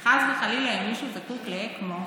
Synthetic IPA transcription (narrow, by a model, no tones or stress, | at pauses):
χazvexalilainmiʃuzakukleekmo